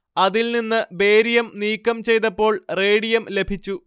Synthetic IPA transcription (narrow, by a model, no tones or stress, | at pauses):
ɐðilninːɨbe̞ːɾijɐmniːkːɐmt͡ɕe̞jt̪ɐpːo̞ːɭre̞ːɽijɐmle̞bʱit͡ɕːu